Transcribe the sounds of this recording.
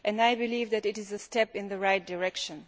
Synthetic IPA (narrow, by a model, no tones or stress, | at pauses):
ʔɨ̃naɪbɪlivðɨɾɨɾɪzəstɛpɪ̃nðəɹaɪt̚d̥əɹɛkʃə̃n